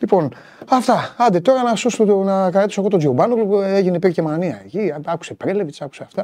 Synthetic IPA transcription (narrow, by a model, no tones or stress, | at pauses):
lipo̞n | ɐft̪ɐɐnd̪et̪o̞ɾɐnɐsosonɐkɐɾɐt̪isoɣot̪oziobɐnokleʝinepiɾcemɐniɐeciɐku̥se̞pɾelevisɐku̥seɐft̪ɐ